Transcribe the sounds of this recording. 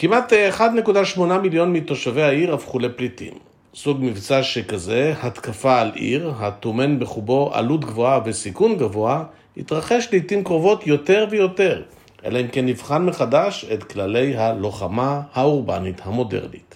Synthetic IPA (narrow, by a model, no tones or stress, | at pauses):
kimat̪eχad̪ne̞kudaʃmo̞namiljo̞nmit̪o̞ʃave̞haiʁafχuleplitḭm | suɡmivt͡saʃekaze̞hat̪kafaːlʔḭʁɦatome̞nbeχubo̞ʔa̰lutɡvo̞ave̞sikunɡavo̞a | it̪ʁaχe̞ʃleitimkʁo̞vo̞tjo̞te̞ʁvejo̞te̞ʁ | ʔe̞̰laimkenːivχanmeχadaʃetklale̞jɦalo̞χamahauʁba̰nithamo̞dḛʁnḭt